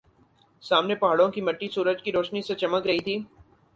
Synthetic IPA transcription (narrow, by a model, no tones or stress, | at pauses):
saːmnepɐɦaːɽõkimɐʈːisuːɾəd͡ʒkiɾoːʃniset͡ʃɐməkɾɐɦit̪ʰiː